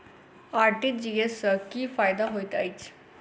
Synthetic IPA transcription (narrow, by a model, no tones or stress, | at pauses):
aɾʈiːd͡ʑiesəkiːfajd̪aɦojt̪ait͡s